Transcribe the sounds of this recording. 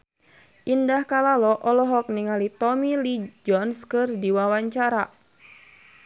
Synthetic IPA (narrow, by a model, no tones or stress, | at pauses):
ʔindahkalalɔʔɔlɔɦɔk̚niŋalit̪ɔmilid͡ʒɔnskɨrdiwawaɲt͡ʃaɾa